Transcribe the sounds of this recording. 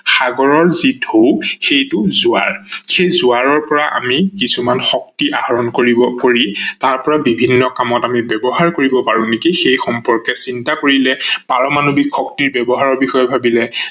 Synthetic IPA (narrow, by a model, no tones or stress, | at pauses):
xaɡɔɹɔɹzidʱowxejtʊzʊa̰ɹxejzʊaɹɔɹpɔɹaʔa̰mikisumanxɔk̚tiʔahɔɹɔnkoɹibɔkoɹitaɹpɔɹabibʱinːɔkamɔtamibɛbɔɦaɹkoɹibɔpaɹunekixejxɔmpɔɹkɛsintakoɹilɛpaɹɔmanubikʰːɔk̚tiɹbɛbɔɦaɹɔɹbixɔjɛbʱabilɛ